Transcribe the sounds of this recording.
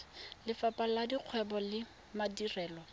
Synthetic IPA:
lɪfapʼaladiq͡χʰwɛbɔlɪ | madirɛːlɔ

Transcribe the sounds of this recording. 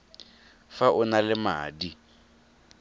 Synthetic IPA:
faʔʊnalɪma̰ːdi

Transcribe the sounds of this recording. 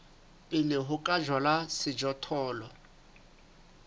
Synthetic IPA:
pʼɪlɪɦʊkʼad͡ʒwalasɪd͡ʒɔtʰɔːlɔ

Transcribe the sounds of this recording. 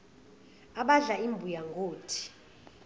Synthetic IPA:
aɓaɮaimbʱujaŋɡʱoːtʰi̥

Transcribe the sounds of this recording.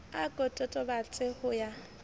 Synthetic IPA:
akʼɔtʼɔtʼɔbat͡sʼɪhʊja

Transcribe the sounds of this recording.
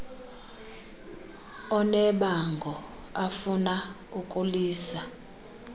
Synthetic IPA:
ɔnɛɓaŋɡʱɔ | afuna | ukʼuliːsa

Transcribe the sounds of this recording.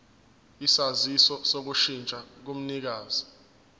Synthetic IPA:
isazisɔsok̬uʃint͡ʃʼak̬um̩nik̬aːzi

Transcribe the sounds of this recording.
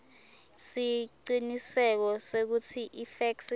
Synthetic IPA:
siǀinisɛk̬ɔsek̬utʰiʔifɛks

